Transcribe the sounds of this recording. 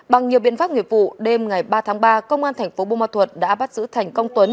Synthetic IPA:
ɓa˨˩ŋɲi˨˩əwɓḭ˧˨ənfaː˦˥p̚ŋi˨˩ət̚vṵ˧˨ɗe˧mŋa˨˩jɓaː˧t̪ʰaː˨˦ŋɓaː˧kə˧wŋ͡mʔaː˧nt̪ʰɛ˨˩jŋ̟fo˨˦ɓo˧maː˧˩t̪ʰwə˨˩t̚ɗa̰ː˧˥ɓa˦˥t̚zɨ̰˧˥t̪ʰjŋ̟kə˧wŋ͡mt̪wə˨˦n

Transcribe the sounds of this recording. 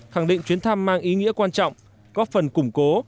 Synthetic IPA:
xa˧˩ŋɗḭ˧˨ŋ̟t͡ɕwi˨˦ənt̪ʰa˧mːaː˧ŋʔi˨˦ŋḭ˧˥əkwaː˧nt͡ɕɔ̰˧˨wŋ͡m | kɔ˨˦fə˨˩nkʊ˧˩ŋ͡mko˨˦

